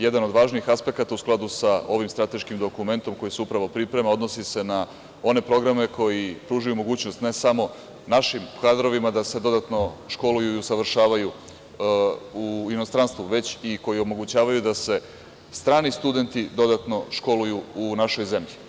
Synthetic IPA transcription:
je̞d̪ano̞d̪ʋaːʒniixaspe̞kat̪ausklˠad̪usao̞ʋimst̪ɾat̪e̞ʃkimd̪o̞kume̞nt̪o̞mko̞jisuupɾaʋo̞pɾipɾe̞meo̞d̪no̞sise̞na | o̞ne̞pɾo̞ɡɾame̞kʰo̞jipɾuːʒujumo̞ɡuːt͡ɕnost̪nesamo̞ | naʃimkad̪ɾo̞ʋimad̪ase̞d̪o̞d̪at̪no̞ʃko̞lujuiusaʋr̩ʃaːʋaju | uino̞st̪ɾanst̪vʋuʋe̞t͡ɕiko̞jiomo̞ɡut͡ɕaːʋajud̪ase̞ | st̪ɾaːnist̪ud̪e̞nt̪id̪o̞d̪at̪no̞ʃko̞lujuunaʃo̞jze̞mʎi

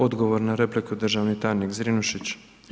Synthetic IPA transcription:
o̞d̪ɡoʋoɾnaɾe̞plikud̪ɾr̩ʒaʋnit̪ajnikzɾinuʃit͡ɕ

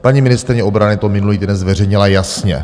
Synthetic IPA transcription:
paɲimɪnɪst̪ɾɪɲɛʔobɾanɪt̪omɪnuliːd̪dɛnzvɛr̝ɛjɲɪlajasɲɛ̰

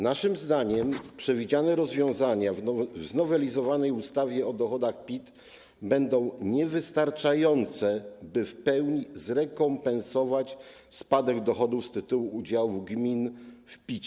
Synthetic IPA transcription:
naʂɘmzd̪aɲɛmpʂɛvʲid͡ʑanɛɾɔzvʲjɔ̃w̃zaɲavznɔvɛlʲizɔvanɛjust̪avʲjɛɔd̪ɔxɔd̪axpʲit̪ | bɛnd̪ɔ̃w̃ɲɛvɘst̪aɾt͡ʂajɔnt̪sɛbɘfpɛwɲizɾɛkɔmpɛnsɔvat͡ɕ | spad̪ɛɡd̪ɔxɔd̪ufst̪ɘt̪uwuud͡ʑawuɡmʲinfpʲit͡ɕ

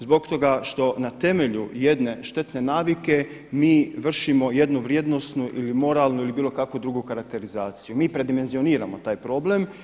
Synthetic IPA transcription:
zbo̞kt̪o̞ɡaʃt̪o̞nat̪e̞me̞ʎuje̞d̪ne̞ʃt̪e̞t̪ne̞naːʋike̞ | miːʋr̩ʃimo̞je̞d̪nuʋɾjeːd̪no̞st̪nuʔilimo̞ɾalˠnuilibiːlˠo̞kakʋod̪ɾuɡukaɾak̚t̪e̞ɾizaːt̪sijumiːpɾe̞d̪ime̞nzio̞niːɾamo̞t̪aːjpɾo̞ble̞m

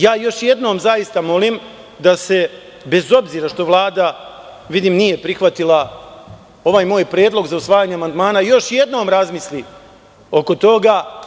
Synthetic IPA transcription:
jaːjo̞ʃje̞d̪no̞ːmzajist̪amo̞lim | d̪ase̞ | be̞zo̞bziːɾaʃt̪o̞ʋlˠaːd̪a | ʋid̪imnije̞pɾixʋat̪ilˠa | o̞ʋaːjmo̞ːjpɾeːd̪lˠo̞ɡzausʋaːjaːɲeamand̪maːnajo̞ʃje̞d̪no̞ːmɾazmisli | o̞ko̞t̪o̞ɡa

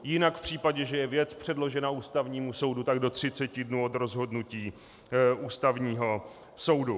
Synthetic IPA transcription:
jɪnakfpr̝̥iːpaɟɛʒɛjɛvjɛt͡spr̝̥ɛdlo̞ʒɛnauːst̪avɲiːmuso̞wdut̪aɡdo̞t̪r̝̥ɪt͡sɛcɪdnuːot̪ɾo̞zɦo̞dnuciː | uːst̪avɲiːɦo̞ | so̞wdu

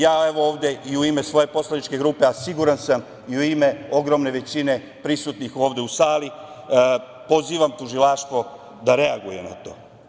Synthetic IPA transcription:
jaːe̞ʋooːʋd̪e̞iuime̞sʋo̞je̞po̞slanit͡ʃke̞ɡɾuːpe̞asiɡuɾansam | iuime̞o̞ɡɾo̞mne̞ʋe̞t͡ɕine̞ | pɾisut̪nixo̞ːʋd̪e̞usaːli | po̞ziːʋamt̪uʒilaʃt̪ʋo̞ | d̪aɾe̞aɡuje̞na̰t̪o̞̰ː

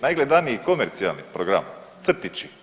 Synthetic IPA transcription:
najɡled̪anijikomeɾt̪sia̰lˠnipɾoɡɾa̰m | t̪srt̪it͡ʃi

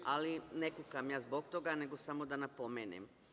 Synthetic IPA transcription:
alinekukamjaːzbokt̪o̞ɡane̞ɡo̞samo̞d̪anapo̞meːnḛm

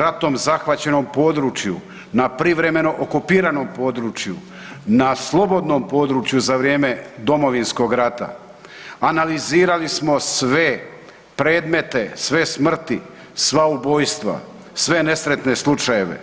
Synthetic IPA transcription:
ɾat̪o̞mzaxʋat͡ɕe̞no̞mpo̞d̪ɾuːt͡ʃjṵ | napɾiʋɾe̞me̞no̞ʔokupiːɾano̞mpo̞ːd̪ɾuːt͡ʃju | naslˠo̞bo̞d̪no̞mpo̞ːd̪ɾuːt͡ʃjuzaʋɾje̞ːme̞d̪o̞mo̞ʋinsko̞ɡɾat̪a̰ | analiziːɾalismo̞sʋe̞ | pɾe̞ːd̪me̞t̪e̞sʋe̞smr̩t̪i | sʋaubo̞ːjst̪ʋa̰ | sʋe̞ne̞sɾe̞t̪ne̞slˠut͡ʃaje̞ʋe̞̰

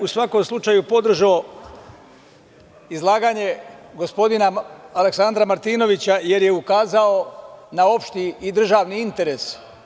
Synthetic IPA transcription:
usʋako̞mslut͡ʃaːjupo̞d̪r̩ʒao | izlˠaːɡaɲe̞ɡo̞spo̞d̪inaaleksand̪ɾamaɾt̪iːno̞ʋit͡ɕaje̞ɾje̞ukaːzaonao̞pʃt̪iːd̪r̩ʒaʋniint̪e̞ɾe̞s

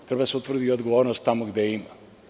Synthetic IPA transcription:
t̪ɾebad̪aseut̪vr̩d̪ijod̪ɡoʋoːɾnost̪ːamoɡd̪eima

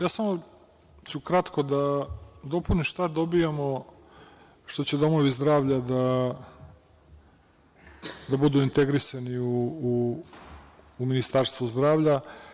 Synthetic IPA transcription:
jaːsamo | t͡ɕukɾat̪kod̪ad̪o̞puniʃt̪ad̪obijamo | ʃt̪o̞t͡ɕed̪o̞mo̞ʋizd̪ɾaːʋʎad̪a | d̪abud̪uint̪eɡɾisaniuː | minist̪aɾst̪vuzd̪ɾaːvʎa

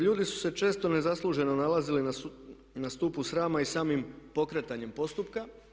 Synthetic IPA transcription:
ʎuːd̪isu̥se̞t͡ʃe̞ːst̪o̞ne̞zaslˠuːʒe̞no̞nalazili | nast̪uːpusɾaːmaisaːmimpo̞kɾe̞t̪aɲe̞mpo̞st̪upka

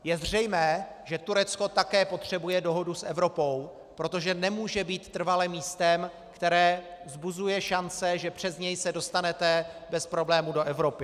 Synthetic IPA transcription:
jɛzr̝ɛjmɛː | ʒɛt̪uɾɛt͡sko̞t̪akɛːpo̞t̪r̝̥ɛbujɛdo̞ɦo̞dusʔɛvɾo̞po̞w | pɾo̞t̪o̞ʒɛnɛmuːʒɛbiːt̪ːr̩valɛmiːst̪ɛm | kt̪ɛɾɛːvzbuzujɛʃant͡sɛʒɛpr̝̥ɛzɲɛjsɛdo̞st̪anɛt̪ɛbɛspɾo̞blɛːmudo̞ʔɛvɾo̞pɪ

